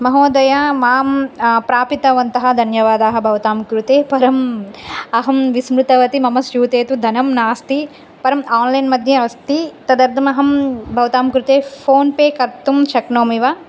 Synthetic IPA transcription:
mɐɦoːd̪ɐjamaːmpɾaːpit̪ɐʋɐnt̪ɐɦɐ̆d̪ʱɐnjɐʋaːd̪aːɦɐ̆bʱɐʋɐt̪aːmkɾut̪eːpɐɾɐm | ɐɦɐmʋismɾut̪ɐʋɐt̪imɐmɐsjuːt̪eːt̪ud̪ʱɐnɐmnaːst̪i | pɐɾɐmaːnlɐjnmɐd̪ʱjɐɐst̪it̪ɐd̪ɐɾd̪ʱɐmɐɦɐmbʱɐʋɐt̪aːmkɾut̪eːpʰoːnpeːkɐɾt̪ːumʃɐknoːmiʋaː

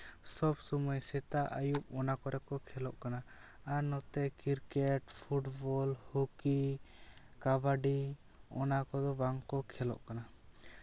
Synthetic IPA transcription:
sɔbsɔmɔjsɛt̪aʔajumɔnakɔɾɛkɔkʰɛlɔʔkanaː | nɔt̪ɛkiɾkɛʈpʰuʈbɔlhuki | kabaɖi | ɔnakɔd̪ɔbaŋkɔkʰɛlɔ̰ʔkana

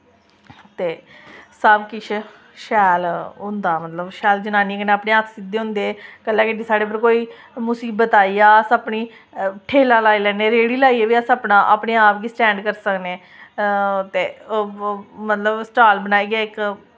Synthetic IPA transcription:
t̪eːsəbkɪt͡ʃʰ | ʃɛːlʊ̃nd̪aːmət̪ləbʃɛːld͡ʒənaːniːkneaːpɳeːəkʰsɪd̪ːeːɦʊ̃nd̪eːɛːkəlːɛːkɪɖiːsaːɽeːpəɾkoːiː | mʊsiːbət̪aːiːaːəsaːpniː | ʈʰeːlaːlaːiːlɛːneːɾeːɽiːlaːiːɛːʋiːəsəːpnãːʔaːpneːaːpɡiːsʈɛ̃ːɳɖkəɾsəkneː | t̪eː | mət̪ləbsʈaːlbənaːiːɡaːɪk

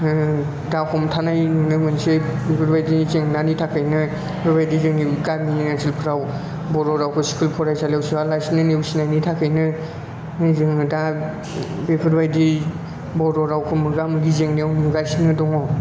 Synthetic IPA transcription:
dahʰɔmtʰanajnɯŋnɯmɯnsebepʰɯɾbajdizeŋnanitʰakʰɯjnɯ | bʰeɾbajdizɯŋiɡamiazʰilpʰɾaw | bɔɾɔɾawkʰɯsi̥kʰulpʰɔɾajsalewsialajsinɯnewsinajnitʰakʰɯjnɯ | zɯŋda | bepʰɯɾbajdi | bɔɾɔɾawkʰɯmɯɡamɯɡizeŋneawniɡajsinɯdɔŋɔ

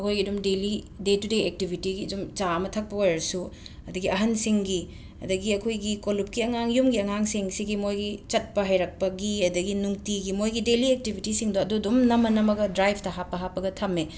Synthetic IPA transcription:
ɐkʰojɡiɐdumdeli | detudeek̚tibʱitiɡiɐdumt͡ʃaɐmɐtʰɐk̚pɐojɐɾɐsu | ɐduɡiʔɐɦɐnsiŋɡi | ɐ̰dɐɡiɐkʰojɡikolup̚kiɐŋaŋjumɡiɐŋaŋsiŋsiɡimojɡit͡ʃɐt̚pɐɦɐjɾɐk̚pɐɡiɐdɐɡinuŋtiɡimojɡideliek̚tibʱitisiŋdoɐdudumnɐmːɐnɐmɐɡɐdɾajbʰtɐɦapːɐɦapːɐɡɐtʰɐmːe

